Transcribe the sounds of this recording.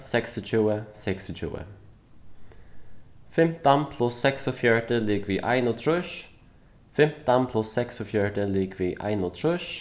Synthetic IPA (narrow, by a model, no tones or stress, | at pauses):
sɛksɔt͡ʃʰʉːəsɛksɔt͡ʃʰʉ̰ːə̰ | fɛmt̪anpʰlʊsɛksɔfjœɹʈəlikʋiːʔaɪnɔt̪ʰɾʉʃ | fɛmt̪anpʰlʊsːɛksɔfjœɹʈəliːkʋiːʔa̰ɪnɔt̪ʰɾʊʃ